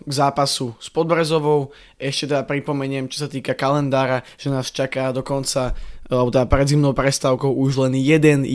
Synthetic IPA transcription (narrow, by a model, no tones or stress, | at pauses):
ɡzaːpasuspɔd̪bɾɛzɔʋɔʊ | ɛʃcɛt̪ɛd̪apɾipɔmɛɲɪɛmt͡ʃɔ̥sat̪iːkakalɛnd̪aːɾaʒ̥ɛnaːst͡ʃakaːd̪ɔkɔnt͡saalbɔt̪ɛd̪apɾɛd̪zimnɔʊpɾɛst̪aʊkɔʊuʒlɛnjɛd̪ɛn